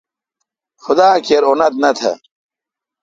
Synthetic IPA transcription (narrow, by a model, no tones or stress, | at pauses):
xʊd̪aːkeɾunɐt̪̚nɐt̪ʰɐ̰